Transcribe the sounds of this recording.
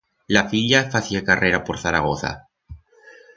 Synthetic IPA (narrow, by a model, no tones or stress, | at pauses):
lafiʎafaθiakareɾapo̞ɾθaɾaɣ̞o̞θa̰